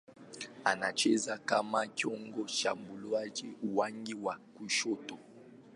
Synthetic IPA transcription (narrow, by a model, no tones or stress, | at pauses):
anat͡ʃɛzakamakjɔŋɡɔʃambulɔad͡ʒiuwaŋɡiwakuʃɔtɔ